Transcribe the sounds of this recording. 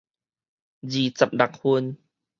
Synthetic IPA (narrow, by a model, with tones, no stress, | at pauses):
ziː˨˩t͡sa˨p̚da˨˩k̚hu˧n